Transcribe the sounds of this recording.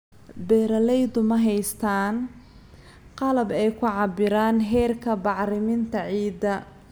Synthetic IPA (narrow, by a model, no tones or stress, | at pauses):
bɛːɾɐlɛjd̪ʊmɐɦɛjst̪ʰaːn | qɑlɐbɛjkʰʊʕɑbɪɾaːnɦɛːrkʰɐbɑʕɾɪmɪnt̪ʰɐʕiːd̪ɐ